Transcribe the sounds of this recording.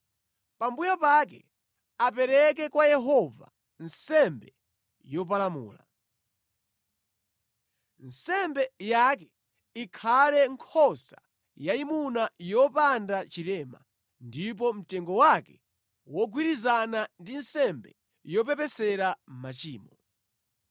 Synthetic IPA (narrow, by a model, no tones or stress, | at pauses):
pambujapakɛ | ap̬ɛɾɛk̬ɛkwajɛɦɔva̰ | nsɛmbɛ | jɔp̬alamṵːla̰ | nsɛmbɛjakɛ | ikʰalɛŋkʰɔsa | jaimunajɔpandat͡ʃilɛːma̰ | ndip̬ɔm̩tɛŋɡɔwakɛ | wɔɡwiɾizanandinsɛmbɛ̰ | jɔp̬ɛpɛsɛɾam̩mat͡ʃiːmɔ